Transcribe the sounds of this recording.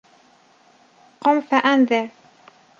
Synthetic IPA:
qɑmfaʔanðɪɾ

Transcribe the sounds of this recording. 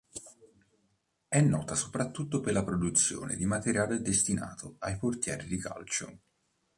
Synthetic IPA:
ɛnːɔːt̪aso̥pɾat̪ːut̪ːoperlapɾod̪ut̪sːjo̰ːnʔḛd̪imat̪eɾjaːled̪est̪ina̰ːt̪ʰoajport̪jɛ̰ːɾid̪ika̰lt͡ʃo̰

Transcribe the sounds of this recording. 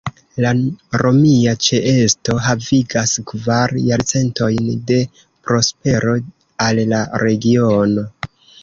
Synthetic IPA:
laɾo̞miat͡ʃeʔe̞sto̞ɦaviɡaskvaɾjaɾt͡se̞nto̞jnde̞ | pɾo̞spe̞ɾo̞ | alːaɾe̞ɡio̞no̞

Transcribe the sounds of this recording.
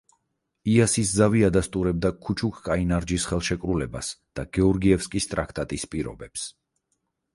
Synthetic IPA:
iasiszaviad̪ast̪ʼuɾɛb̚d̪akʰut͡ʃʰukʰkʼainaɾd͡ʒisχɛlˠʃɛkʼɾulɛba̰sd̪̥aɡ̥ɛɔɾɡiɛfskʼist̪ʼɾakʰt̪ʼat̪ʼispʼiɾɔ̰bɛps

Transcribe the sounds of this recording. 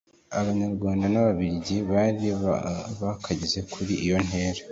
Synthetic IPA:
aβaɲaɾɡwaːndanaβaβiɾɟiβaɾiβakʰaɟeze̞kʰuɾiʔijo̞n̥he̞ːɾe

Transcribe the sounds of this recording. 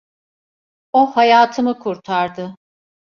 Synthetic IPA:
ohajaːt̪ʰɯmɯkʰuɾt̪ʰaɾd̪ɯ

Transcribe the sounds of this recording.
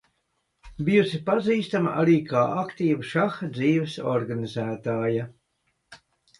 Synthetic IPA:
bijusipaziːst̪ama̰ʔa̰ɾiːkʰaːʔakt̪iːvuʃaxd̪ziːvɛsɔɾɡanizæːt̪aːja

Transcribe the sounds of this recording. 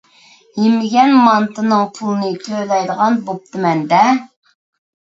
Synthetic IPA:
jemɪɡʲɛnmɑnt̪ɨnɨŋpʰulˠɨnɨt̪ʰølɛjd̪əʁɑnbop̚t̪ʰɨmɛnd̪ɛ

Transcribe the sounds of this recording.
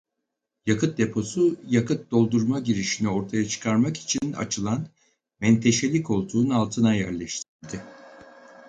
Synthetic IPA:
jakɯt̪̚d̪e̞pʰo̞sujakɯt̪̚d̪o̞lˠd̪uɾmaɟiɾiʃinio̞ɾt̪ʰajat͡ʃʰɯ̥kʰaɾmaki̥t͡ʃʰina̰t͡ʃʰɯlˠan | mɛnt̪ʰe̞ʃe̞lʲiko̞lˠd̪uːnalˠt̪ʰɯnajæɾlʲɛʃt̪ʰiɾd̪ɪ

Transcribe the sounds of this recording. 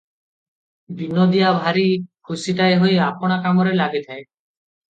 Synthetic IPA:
bʱinod̪ijabʱaɾikʰusiʈaeɦojapɔɽ̃akamɔɾelaɡet̪ʰae

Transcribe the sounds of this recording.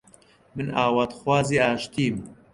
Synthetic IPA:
mɨnaːwaːt̪xwaːziːaːʃt̪iːm

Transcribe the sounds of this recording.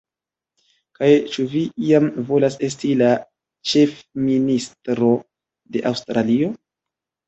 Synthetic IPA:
kajt͡ʃuviiamvo̞lase̞s̬tila | t͡ʃe̞fministɾo̞ | de̞ʔawstɾalio̞

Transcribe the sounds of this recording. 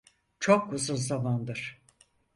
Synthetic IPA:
t͡ʃʰokuzunzamand̪ɯɾ̥

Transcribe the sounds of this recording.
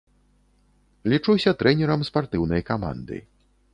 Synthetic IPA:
lʲit͡ʂusʲɐt̪ɾɛnʲɛɾɐmspart̪ɨwnɐjkama̰nd̪ɨ̰

